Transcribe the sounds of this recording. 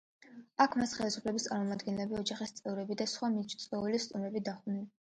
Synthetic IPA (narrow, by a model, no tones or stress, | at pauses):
akʰmasχɛlisu̥pʰlɛbist̪sʼa̰ɾmɔmad̪ɡɛnlɛbiɔd͡ʒaχist̪sʼɛvɾɛbid̪asχwamit͡ʃʰt̪sʼɔulist̪ʼumɾɛbid̪aχnili